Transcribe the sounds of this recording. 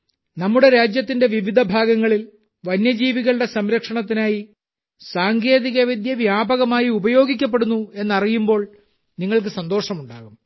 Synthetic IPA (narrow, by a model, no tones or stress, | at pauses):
nɐmːuɽe̞ɾaːd͡ʑjɐt̪ːinde̞ʋiʋid̪ʱɐbʱaːɡɐŋːɐɭil | ʋɐnjɐd͡ʑiːʋiɣɐɭɽe̞sɐmɾɐkʂɐɳɐt̪̬ːinaːji | saːŋɡe̞ːðiɣɐʋid̪ʱjɐʋjaːbɐɣɐmaːjiubɐjo̞ːɡikʲːɐp̬ːe̞ɽunːue̞nːɐrijumbo̞ːɭ | niŋːɐɭk̬ɨsɐnd̪o̞ːʂɐmuɳɖa̰ːɣum